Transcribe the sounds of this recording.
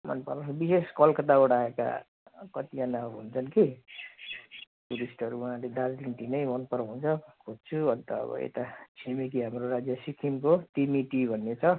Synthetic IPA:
mʌ̰npʌɾsʰbiseskʌlkʌt̪auɽaeka̰ | kʌt̪ianaɦunt͡sʰʌnki | ʈuɾisʈʌɾuuɦãled̪ad͡zlinʈ̪inʌjmʌnpʌɾɦunt͡sʰʌkʰod͡zt͡sʰuʌnt̪ʌ̰ːbʌ̰ḛt̪at͡sʰimikiɦamɾoɾad͡zjʌsikʰimkot̪imiʈibʱʌnːet͡sʰʌ

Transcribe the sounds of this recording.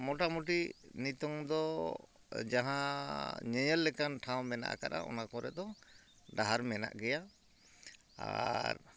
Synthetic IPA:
mɔʈamuʈinit̪ɔŋd̪ɔ | d͡ʒaɦãɲɛɲɛlːɛkanʈʰawmɛna̰ʔkaɾa̰ʔɔ̰nakɔɾɛ̰d̪ɔ | ɖaɦaɾmɛna̰ʔɡɛja | a̰ɾ

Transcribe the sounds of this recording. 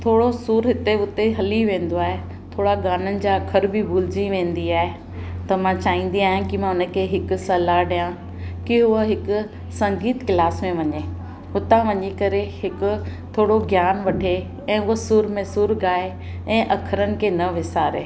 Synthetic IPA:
t̪ʰoːɽosuːɾɦɪt̪eʊt̪eɦɐliʋẽːn̆d̪oaːɦe | t̪ʰoːɽaɡaːnənɪ̆d͡ʑaɐkʰəɾbɪbʱuːlɪd͡ʑiʋẽːnd̪iaːɦe | t̪ɐmãt͡ɕaːĩːn̆d̪iaːɦjãkimãʊnə̆kʰeɦɪkʊ̆sɐlaɗijã | kɪɦʊəɦɪkʊ̆ | sɐ̃ŋɡiːt̪kɪlaːsmẽʋɐɲe | ʊt̪ãʋɐɲikɐɾehɪkʊ̆t̪ʰoːɽoɡjaːnʋɐʈʰe | ɛ̃ːʊɦəsʊːɾmẽsʊɾɡaːe | ɛ̃ːʔɐkʰəɾənɪ̆kʰeːnɐʋɪsaːɾḛː

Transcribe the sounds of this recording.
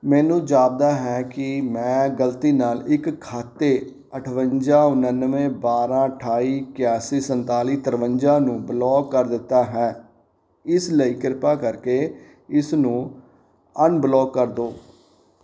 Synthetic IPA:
mɛːnũːd͡ʒaːb̚d̪aːɦɛːkɪmɛ̃ːɡəlt̪iːnaːlɪkʰːaːt̪ːeː | əʈʰʋəɲd͡ʒãːʊnənːʋẽːbaːɾãːəʈʰaːiːkɪjaːsiːsənt̪aːliːt̪əɾʋəɲd͡ʒãːnũːblɔːkːəɾd̪ɪt̪ːaːɦɛ̃ː | ɪsləiːkɪɾpaːkəɾkeː | ɪsnũː | ənblɔːkːəɾd̪oː

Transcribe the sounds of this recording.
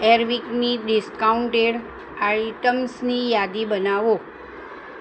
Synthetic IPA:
eɾʋikniɖɪskauɳʈeɽ | aiʈəmsnijad̪ibənaʋo

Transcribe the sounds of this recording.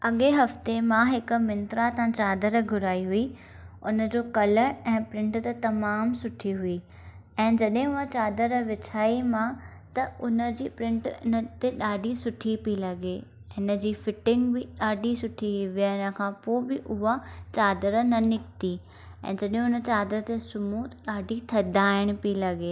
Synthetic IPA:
ɐɠeɦɐft̪emãɦɪk̆mɪnt̪ɾat̪ãt͡ɕaːd̪əɾɡʱʊɾaːiɦui | ʊnə̆d͡ʑoːkɐləɾɛ̃ːpɾɪ̃ɳʈt̪ɐt̪ɐmaːmsʊʈʰiɦuiː | ɛ̃ːd͡ʑɐɗɦɪ̃ʊɦat͡ɕaːd̪əɾʋɪt͡ɕʰaːimã | t̪ɐʊnə̆d͡ʑiːpɾɪ̃ɳʈɪ̰nət̪eɗaːɖʱisʊʈʰipilɐɡe | ɪnə̆d͡ʑiːfɪʈɪ̃ŋɡbɪɗaːɖʱisʊʈʰiʋiaɪnə̆kʰãpoːbɪʔʊɦat͡ɕaːd̪əɾnɐnɪk̚t̪i | ɛ̰̃ːd͡ʑɐɗɦʊnə̆t͡ɕaːd̪ɾət̪esʊmuɗaːɖʱit̪ʰɐd̪ʱaːɪɽ̃pilɐɡeː

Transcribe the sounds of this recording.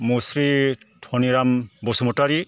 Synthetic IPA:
musɾi | tʰɔniɾambosumɔtaɾi

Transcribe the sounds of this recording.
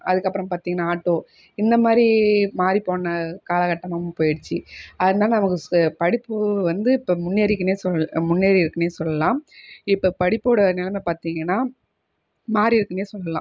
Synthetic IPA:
ɐ̰ðɯkːɐpːɯɾɐ̃mpaːɾt̪iːŋɡɐnːaːaːʈːoː | ɪnd̪ɐmaːd̪ɾimaːɾipoːnːɐkaːlɐkɐʈːɐmaːmpoːjɪɽɯt͡ʃːiɐðɯnd̪ãːnɐmɐkːɯpɐɽɪpːɯʋɐnd̪ɯɪpːomʊnːeːɾɪkːɯneːsɔmʊnːeːɾiɪɾɯkːɐneːsɔlːɐlãːɪpːopɐɽɪpːoːɽɐnɛlɐmɛpaːɾt̪iːŋɡɐnːaː | maːɾiɪɾɯkːɐneːsɔlːɐlã̰ː

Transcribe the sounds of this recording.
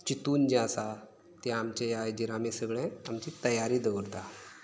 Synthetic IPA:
t͡ɕit̪uːnd͡ʑãasa | t̪jãːmt͡ɕejajd͡ʑiɾamesəɡɭẽamt͡ɕit̪əjaɾiːd̪əʋəɾt̪a

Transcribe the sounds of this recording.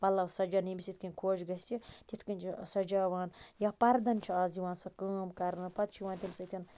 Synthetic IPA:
pɐlːɐwsɐd͡ʒɐnimʲisʲit̪kɐnʲkʰoːt͡ʃɡɐst̪ʲit̪ʲit̪ʰkɐnʲt͡ʃʰisɐd͡ʒaːʋaːnjaːpɐɾd̪ɐnt͡ʃʰiaːziʋãːnsɐkəːmkɐɾnɨpɐt̪̚t͡ʃʰiʋaːnt̪ʲimisɐt̪ʰʲɐn

